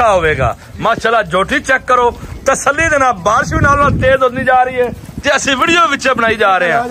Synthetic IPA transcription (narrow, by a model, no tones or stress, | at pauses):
aːɦoːʋeːɡa̰ː | mãːʃalaːd͡ʒoːʈʰiːt͡ʃɛːkːəɾoːt̪əsəlːiːd̪eːnãːbaːɾʃĩːnaːlːãːt̪eːzɦoːd̪niːd͡ʒaːɾəiːɦɛː | t̪eːəsĩːʋiːɽijoːʋɪt͡ʃẽːbənaːiːd͡ʒaːɾeːɦãː